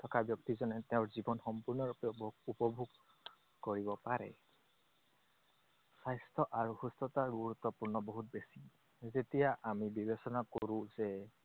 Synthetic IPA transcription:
tʰɔkabjɔk̚t̪izɔnɛt̪eʊɹzibɔnxɔmpuɹnɔɹupjɔbupɔbʱuɡ | koɹibɔpaɹɛ̰ | sajstʰɔʔaɹuxustɔtaɹɡuɹut̪ːɔpuɹnɔbɔɦut̪̚besi | zetijaʔamibibesɔnakoɹũzɛ

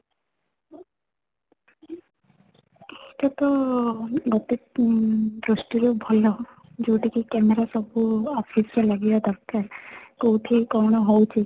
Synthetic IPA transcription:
eiʈɔt̪ɔ | ɡɔt̪e | d̪ɾosʈiɾobʱɔlɔ | d͡ʒowʈikikɛmeɾasɔbuɔpʰiselaɡijɔd̪ɔɾkakowt̪ʰikɔɾɽ̃ɔɦowt͡ʃʰi

